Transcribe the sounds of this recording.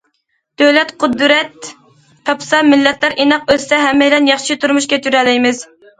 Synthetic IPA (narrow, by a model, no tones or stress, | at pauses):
d̪̥øwlɛt̪qʰʊd̪ɾɛt̪ːʰ | ɑpʰsɑmɪlːɛt̪læɾenɑq̚øzsɛɦɛmːɛjlɛnjɑχʃit̪ʰuɾmuʃkʲʰɛt͡ʃʰyɾɛlɪjmɪz